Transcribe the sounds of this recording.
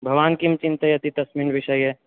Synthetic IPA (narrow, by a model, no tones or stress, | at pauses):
bʱɐʋaːnkimt͡ʃɪ̃nt̪əjɐt̪it̪ɐsmiːnʋɪʃəjɦɛː